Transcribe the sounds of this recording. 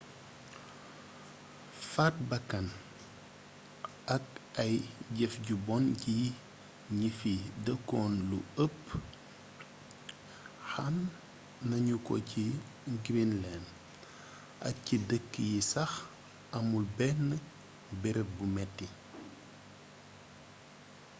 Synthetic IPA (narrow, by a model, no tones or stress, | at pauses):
fat̚bɐkːɐn | ɐkɐjɟɛfɟubɔnɟi | ɲifidəkːɔnlṵəpː | xanː | ɐɲukɔ̰ci | ɡɾinlɛːn | ʔɐ̰k̚cidəkːəjisɐx | ɐmulbɛnːə | bɛɾɛbumɛtːi